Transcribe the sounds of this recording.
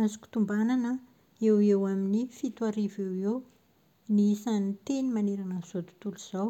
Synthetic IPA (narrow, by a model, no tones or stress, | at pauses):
azu̥kʲu̥t̪umbananə | ewewaminifit̪waɾivewew | nisanit̪enimaneɾanəz̥ot̪u̥t̪uluz̥aw